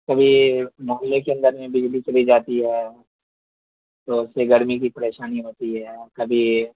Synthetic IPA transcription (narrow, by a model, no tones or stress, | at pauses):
kɐbʱimɔːɦɪlekeɐ̃nd̪əɾmẽbɪd͡ʒlit͡ʃɐlid͡ʒaːt̪iɦɛː | t̪oʊseɡɐɾmikipɐɾeːʃaːniɦoːt̪iɦɛːkɐbʱi